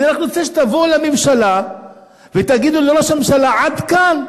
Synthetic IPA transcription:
anaχnunot͡seʃ̬et̪avolamemʃala | vet̪aɡid̪uloɾaʃamemʃalaʕad̪kan

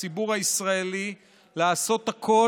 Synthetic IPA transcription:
ibuʁhaisʁaeli | laːso̞t̪hakʰo̞

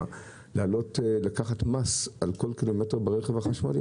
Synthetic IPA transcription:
lealo̞tlakaχatmasʔalko̞lkilometeʁbeʁeχevaχaʃma̰lḭ

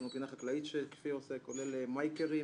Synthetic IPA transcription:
mebinaχaklait̪ʃeke̥fiosekolelemajkeʁi

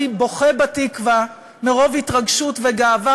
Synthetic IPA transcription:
ibo̞χebatikva | meʁo̞vhitʁaɡʃutveɡaːva

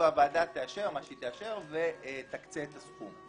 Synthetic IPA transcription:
avaːdat̪eaʃe̞ʁmaʃit̪eaʃe̞ʁvet̪akt͡seːt̪askum

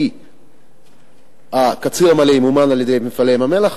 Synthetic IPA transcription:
i | hakat͡siʁamalemumanaljed̪ejmefalemamelaχ

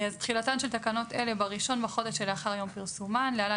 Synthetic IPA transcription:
azt̪χilatanʃeltakano̞tele̞baʁiʃo̞nbaχo̞d̪eʃelaχaʁajo̞mpiʁsumanleala

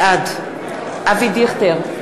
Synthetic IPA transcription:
ad̪ | avid̪iχt̪eʁ

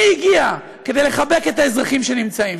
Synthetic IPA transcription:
iɡia | ke̞d̪ejle̞χabe̞ke̞taezʁaχimʃe̞nimt͡saim

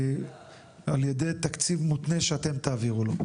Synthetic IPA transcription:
aljed̪e̞jt̪akt͡sivmut̪neʃeat̪e̞mt̪aːviʁulo

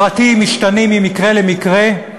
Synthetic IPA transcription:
at̪imiʃtanimimikʁe̞lemikʁe

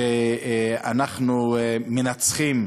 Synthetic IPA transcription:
e | anaχnumenat͡sχim

